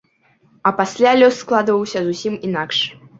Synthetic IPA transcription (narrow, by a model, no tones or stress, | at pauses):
ɐpasʲlʲalʲɔsːklˠad̪vɐwsʲɐzusʲiminakʂ